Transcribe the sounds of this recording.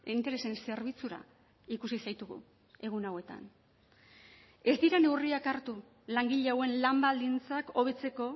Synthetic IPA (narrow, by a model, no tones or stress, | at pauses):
eint̪e̞ɾe̞se̞nse̞ɾβ̞it͡suɾa̰ | ikusisajt̪uɣṵ | e̞ɣ̞unawe̞t̪a̰n | e̞sd̪iɾane̞wriakaɾt̪u | laŋɡiʎeawe̞nlambald̪int͡sako̞β̞e̞t͡se̞ko̞